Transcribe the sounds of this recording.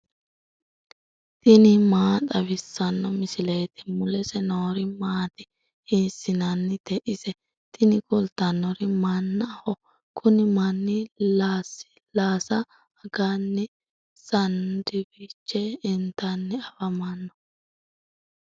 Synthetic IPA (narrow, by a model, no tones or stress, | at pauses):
t̪ɪnɪmaːt̪ɐβɪsːɐnːɔmɪsɪleːt̪ɪmʊlɛsɛnoːɾɪmaːt̪ɪ | ɪsːɪnɐnːɪt̪ɛʔɪsɛ | t̪ɪnɪkʊlt̪ɐnːɔɾɪmɐnːɐhɔ | kʰʊnɪmɐnːɪlasɪ̥ | laːsɐː | ɡanːɪ | sɐnd̪ɪbiːt͡ʃːɛɪnt̪anːɪɐfɐmɐnːɔ